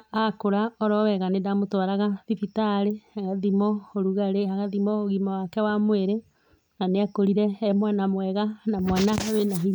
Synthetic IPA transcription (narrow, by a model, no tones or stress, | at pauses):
akoɾaɔɾɔwɛɣanedamotwaɾaɣaðifitaɾeaɣaðimɔoɾuɣaɾeaɣaðimɔoɣimɔwakɛwamweɾe | naneakoɾiɾɛmwanamwɛɣanamwanaawenaɦi